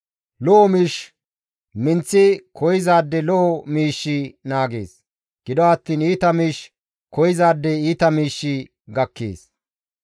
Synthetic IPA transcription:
lɔʔɔmiːʃ | mɪnt͡sːɪkʰɔjɪzaːd̪ːɛlɔʔɔmiːʃːɪnaːɡḛːs | ɡ̥ɪd̪ɔɐt̪ːiːniːt̪ɐmiːʃ | kɔjɪzaːd̪ːɛiːt̪ɐmiːʃːɪ | ɡɐkːḛːs

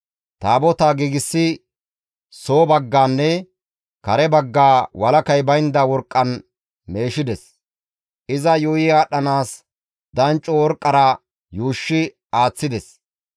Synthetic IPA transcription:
t̪aːbɔt̪aɡiːɡɪsːɪ | so̞ːbɐɡːaːnːɛ | kɐɾɛbɐɡːaːwɐlɐkɐjbɐjnd̪ɐwɔɾkʼːɐn | me̞ːʃɪd̪ɛs | ʔɪzɐjujɪaːɗɐnaːs | d̪̥ɐnt͡ʃʼːɔwɔɾkʼːɐɾɐ | juːʃːɪ | aːt͡sːɪd̪ɛs

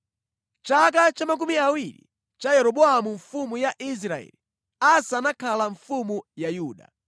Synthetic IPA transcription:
t͡ʃakat͡ʃamak̬umiawiɾḭ | t͡ʃajɛɾɔɓɔamuɱfumujaʔis̬ɾaɛ̰li | asanakʰalaɱfumujajuːɗa̰

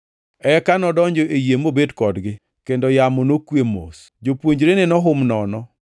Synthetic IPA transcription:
ɛkanɔdɔɲd͡ʒɔʔejemobedkɔdɡɪ | kendɔjamonokwemo̰s | d͡ʒopwoɲd͡ʒɾenenɔɦʊmnɔnɔ

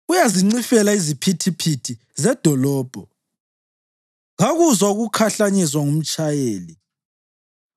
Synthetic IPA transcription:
ujaziŋ͡ǀifɛlaizipʰitʰipʰitʰi | zɛd̥ʱɔlɔːb̥ʱɔ | ɣaɣuzauɣukʰaɬaɲiswaŋum̩t͡ʃʼajeːli

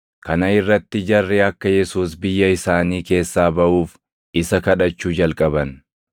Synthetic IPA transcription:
kɐnɐɪrːɐt̪ːɪd͡ʒɐrːɛɐkːɐjɛsuːs̬bɪjːɐɪsaːniːke̞ːsːaːbɐʔuːf | ɪsɐkɐᶑɐt͡ʃːuːd͡ʒɐlkʼɐbɐn

